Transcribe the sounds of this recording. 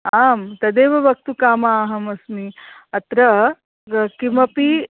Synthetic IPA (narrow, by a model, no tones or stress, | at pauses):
aːmt̪ɐd̪eːʋɐʋɐk̚t̪ukaːmaːɦɐmɐsmiɐt̪ɾɐ | kimɐpi